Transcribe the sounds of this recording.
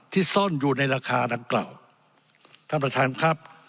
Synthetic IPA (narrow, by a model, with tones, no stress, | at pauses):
t̪ʰiː˥˩sɔ˥˩njuː˨˩na˧jɾaː˧kʰaː˧da˧ŋkla̰ː˨˩w | t̪ʰaː˥˩pɾa˧t̪ʰaː˧˥nkʰɾa˦˥p̚